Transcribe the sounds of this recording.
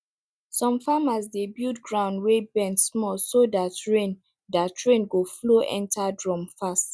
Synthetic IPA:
sɔ̃mfamasdebildɡɹãʊ̃ndwebɛ̃nsmɔlsodatɹẽn | datʰɹẽnɡofloʔɛ̰̃ntʰadɹɔ̃mfast

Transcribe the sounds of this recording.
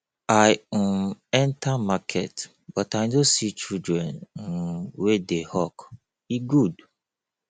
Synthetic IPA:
aj̩ | ɛntʰamakʰɛ̰t | b̥ɔtaɪnõsit͡ʃidɹɛ̃nn̩wedehɔk | iɡud

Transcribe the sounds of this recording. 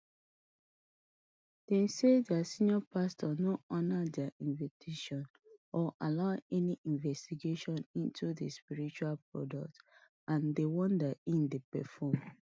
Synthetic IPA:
d̥ɛ̃nsedasĩnjɔpastʰɔnoɔnadaĩɱvitʰeʃɔ̃n | ɔʔalaʊɛniʔĩnvɛstiɡeʃɔ̃nĩntʰudespiɹit͡ʃualpɹɔ̰dɔk̚t | ãndewɔ̃ndaĩndepɛ̰fɔm

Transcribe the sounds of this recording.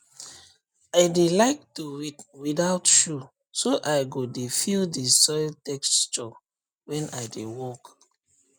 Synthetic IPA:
aɪdelaɪk̚tuɹitwidaʊtʃu | soʔaɪɡodefildisɔjltɛkst͡ʃɔ | wɛ̃naɪdewɔk

